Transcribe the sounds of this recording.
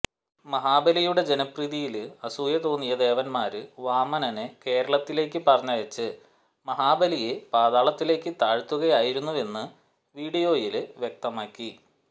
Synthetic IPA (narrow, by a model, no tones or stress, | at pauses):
mɐɦaːbɐlijuɽe̞d͡ʑe̞nɐpriðijilɨɐsujɐt̪o̞ːnːijɐd̪e̞ːʋɐnmaːɾɨʋaːmɐnɐneke̞ːɾɐɭɐt̪ːile̞ːkːɨpɐrɐɲːɐjɐt͡ɕːɨ | mɐɦaːbɐlijepaːðaːɭɐt̪ːile̞ːkːɨt̪aːɻt̪ːuɣɐjaːjiɾunːuʋe̞nːɨ | ʋiːɽijo̞ːjilʋjek̚t̪ɐmaːkːi